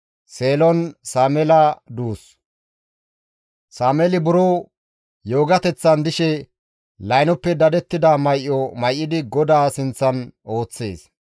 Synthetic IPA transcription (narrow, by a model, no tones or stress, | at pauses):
seːlɔnsaːmɛlɐd̪uːs | saːmɛlɪbʊɾoː | jo̞ːɡɐt̪ɛt͡sːɐnd̪ɪʃɛ | lɐjnɔpːɛd̪ɐd̪ɛt̪ːɪd̪ɐmɐjʔːɔmɐjʔːɪd̪ɪɡɔd̪aːsɪnt͡sːɐno̞ːt͡sːe̞̰ːs